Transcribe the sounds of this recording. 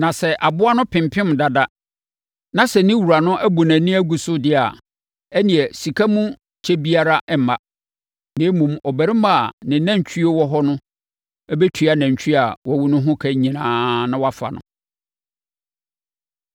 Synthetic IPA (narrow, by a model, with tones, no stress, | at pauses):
nã˨sɛ˦ʔa˨bʊ˦a˦nʊ̃˦pʰɪ̃˨mpʰɪ̃˦m˨da˨da˦ | nã˨sɛ˨nɪ̃˦wu˨ɾa˨nʊ̃˦ʔæ˦bu˨næ̃˨nĩ˦æ˦ɡu˨sʊ˦dɪ˦a̰˨ | ɛ˦nĩ˨ɛ˨si˨kʰa˦mũ˦ | t͡ɕʰɛ˦bi˦a˦ɾa˦ʔɛ˨m̩˨˦ma˨ | nɪ̃˨˦mũ˨mɔ˨bæ˨ɾi˦ma˦˨nɪ̃˨˦næ̃˦˨t͡ɕʰᶣi˦e˦wɔ˦ɦɔ˦nʊ̃˦ | ɛ˦bɛ˦tʰɥa˨næ̃˨ɲ˨t͡ɕʰᶣi˦a˨wɔ˦wu˦nʊ̃˦ɦʊ̃˦kʰæ˦ɲĩ˨nãː˨˦nã˦wa˦fa̰˨nʊ̰̃˨